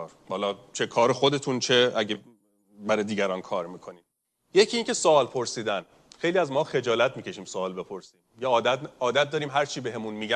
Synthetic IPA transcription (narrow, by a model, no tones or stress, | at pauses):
ɾhɒːlɒːt͡ʃʰe̞kʰɒːɾexod̪e̞t̪ʰunt͡ʃʰe̞æɟe | bæɾɒːd̪iːɡæɾɒːnkʰɒːɾmiːkʰoniːd̪ | jecʰiːiːŋcʰe̞soɒːlpʰo̞ɾsiːd̪æn | xe̞jliːæzmɒːxe̞d͡ʒɒːlæt̪̚ʰmiːcʰe̞ʃiːmsoɒːlbe̞pʰo̞ɾsiːmjeɒːd̪æɒːd̪æt̪̚d̪ɒːɾiːmɦæɾt͡ʃʰiːbeɦe̞munmiːɟæ